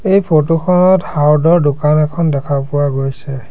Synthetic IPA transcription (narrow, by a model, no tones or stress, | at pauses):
ejpʰotuxʰɔnɔthawdɔɹdʊkanɛkʰɔndɛkʰapʊwaɡojsɛ